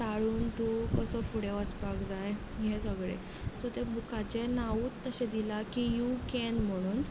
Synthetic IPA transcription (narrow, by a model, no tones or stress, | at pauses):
t̪aɭuːnt̪ukəsɔfuɽeʋəspakd͡zaj | ɦẽsəɡɭḛ | sɔt̪ebukat͡ɕenauːt̪ːəɕɛ̃d̪ilakijukɛnm̤əɽ̃uːn